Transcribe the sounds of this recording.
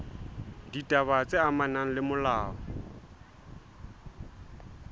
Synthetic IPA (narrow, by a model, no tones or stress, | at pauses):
ditʼaβat͡sʼeamanaŋ̩lɪmʊlaːɔ